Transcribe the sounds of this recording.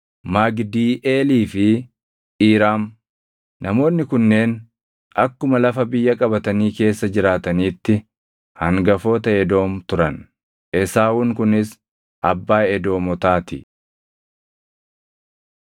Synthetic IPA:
maɡd̪iːʔeːliːfɪ | iːɾaːm | nʔɐmo̞ːnːɪkʊnːe̞ːn | ʔɐkːʊmɐlɐfɐbɪjːɐkʼɐbɐt̪ɐniːke̞ːsːɐd͡ʒɪɾaːt̪ɐniːt̪ːɪ | hɐŋɡɐfo̞ːt̪ɐɛd̪o̞ːmt̪ʊɾɐn | ʔɛsaːwʊŋkʊnɪs | ʔɐbːaːɛd̪o̞ːmɔt̪aːt̪ɪ

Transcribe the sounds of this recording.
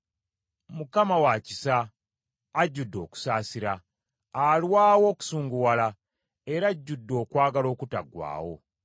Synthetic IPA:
mukamawacisaː | ɟːudːo̞̰ːku̥saːsiɾaː | lwaːwo̞ːku̥suːŋɡuwala | e̞ɾaɟːudːo̞ːkwaːɡalo̞ːkuta̰ɡwa̰ːwo̞̰

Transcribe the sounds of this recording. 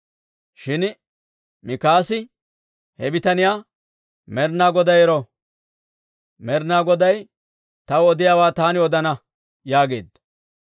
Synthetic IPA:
ʃɪn | mɪkaːsɪ | hɛbɪt̪ɐnɪjaː | mɛɾnaːɡɔd̪ɐjɛɾɔ | mɛɾnaːɡɔd̪ɐj | t̪ɐwɔd̪ɪjaːwaːt̪aːnɪɔd̪ɐnɐ | jaːɡe̞ːd̪ɐ

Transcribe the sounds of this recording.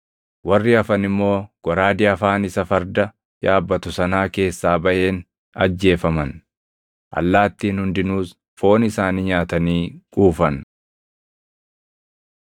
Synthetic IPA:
wɐrːɪɐfɐnɪmːo̞ːɡ̥ɔɾaːd̪ɪɐfaːnɪsɐfɐɾd̪ɐ | jaːbːɐt̪ʊsɐnaːke̞ːsːaːbɐʔe̞ːn | ɐ̰d͡ʒːe̞ːfɐmɐn | ʔɐ̰lːaːt̪ːiːnhʊnd̪ɪnuːs | fo̞ːnɪsaːniɲaːt̪ɐniːkʼuːfɐn

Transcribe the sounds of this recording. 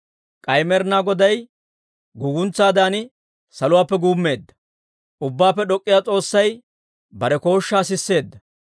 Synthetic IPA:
kʼɐjmɛɾnaːɡɔd̪ɐj | ɡuːɡʊnt͡sːaːd̪aːnɪ | sɐlʊwaːpːɛɡuːmːe̞ːd̪ːɐ̥ | ʔʊbːaːpːɛɗɔkʼːɪjaːt͡sʼo̞ːsːɐj | bɐɾɛko̞ːʃːaːsɪsːe̞ːd̪ːɐ

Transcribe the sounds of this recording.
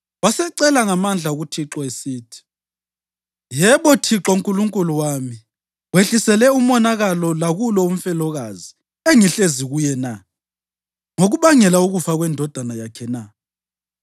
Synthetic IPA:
wasɛǀɛlaŋamand͡ɮʱauɣutʰiǁɔesiːtʰi̥ | jɛβɔtʰiǁɔuŋkʼuluŋkʼuluwami | weɬisɛlɛumɔnaɣalɔlaɣulɔum̩fɛlɔɣazi | eŋiɬeziɣujɛna | ŋoɣuβaŋɛlauɣufaɣwɛndʱɔd̥ʱanajakʰɛna

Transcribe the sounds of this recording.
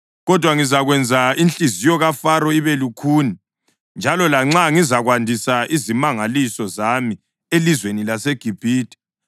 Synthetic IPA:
ɣɔd̥ʱwaŋizaɣwɛnd͡zʱaint͡ɬʼizijɔɣafaɾɔiβɛlukʰuːni | nd͡ʒʱalɔlaŋ͡ǁaŋizaɣwandʱisaʔizimaŋalisɔzami | elizwenilaseɡ̥ʱib̥ʱiːtʼi̥

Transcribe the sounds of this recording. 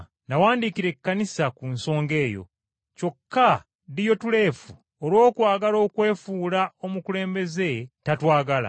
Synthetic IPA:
ndawaːndikiɾe̞kːanisakunso̞ːŋɡe̞ːjo̞̰ | co̞kːa | dijo̞tule̞ːfu | olwo̞ːkwaːɡalo̞ːkwe̞ːfuːlaomukule̞ːmbe̞ze̞tatwaːɡala̰

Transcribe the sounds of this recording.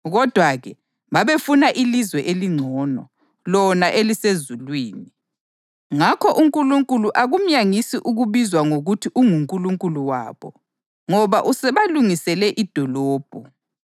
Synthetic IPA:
ɣɔd̥ʱwaɣɛ | βaβefunaʔilizwɛʔeliŋ͡ǀʱɔnɔ | lɔnaʔelisezulwiːni | ŋakʰɔʔuŋkʼuluŋkʼuluʔaɣum̩jaŋisiʔuɣuβizwaŋoɣutʰiʔuŋuŋkʼuluŋkʼuluwa̰ːβɔ | ŋɔβaʔusɛβaluŋisɛlɛʔid̥ʱɔlɔːb̥ʱɔ

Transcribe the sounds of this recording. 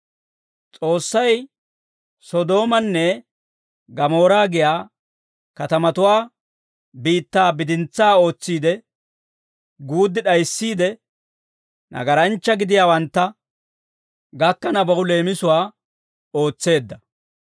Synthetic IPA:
t͡sʼo̞ːsːɐj | sɔd̪o̞ːmɐnːɛ | ɡɐmo̞ːɾaːɡɪjaː | kɐt̪ɐmɐt̪ʊwaː | biːt̪ːaːbɪd̪ɪnt͡saːo̞ːt͡sːiːd̪ɛ | ɡuːd̪ːɪɗɐjsːiːd̪ɛ | nʔɐ̰ɡɐɾɐnt͡ʃːɐɡɪd̪ɪjaːwɐnt̪ːɐ | ɡɐkːɐnɐbɐʊle̞ːmɪsʊwaː | oːt͡sːe̞ːd̪ːɐ

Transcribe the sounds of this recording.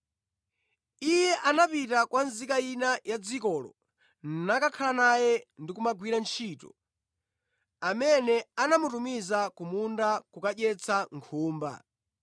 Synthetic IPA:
ijɛʔanapitakwanzikainajad͡zikɔːlɔ̰ | nnakakʰalanajɛndikumaɡwiɾant͡ʃʰiːtɔ̰ | amɛnɛanamutumizakumundakukaʄɛt͡sʰaŋkʰuːmba̰

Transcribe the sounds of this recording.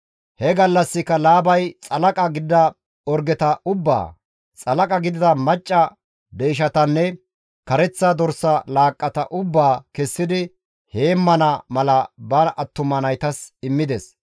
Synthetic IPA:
hɛɡɐlːɐsːɪkːɐlaːbɐjt͡sʼɐlɐkʼɐɡɪd̪ɐ | ɔɾɡɛt̪ɐʔʊbːa̰ː | t͡sʼɐlɐkʼɐɡɪd̪ɪd̪ɐmɐt͡ʃʼːɐ | d̪eːʃ̬ɐt̪ɐnːɛ | kɐɾɛt͡sːad̪ɔɾsɐlaːkʼːɐt̪ɐ̰ʔʊbːaːkɛsːɪd̪ɪ | he̞ːmːɐnɐmɐlɐbɐʔɐt̪ːʊmɐnɐjt̪ɐsɪmːɪd̪ɛs

